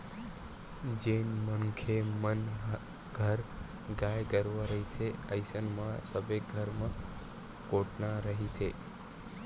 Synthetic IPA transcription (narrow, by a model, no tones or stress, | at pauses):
d͡ʒenməŋkʰemən | ɡʱəɾ | ɡajɡəɾʋaɾəɦit͡ʃʰeəjsənmãsəbeɡʱəɾmã | koʈnãɾəɦit͡ʃʰe